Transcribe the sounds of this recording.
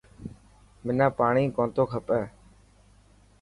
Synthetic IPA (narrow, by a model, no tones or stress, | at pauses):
mɪnãːpaːɳĩːkõːnt̪oːkʰəpɛː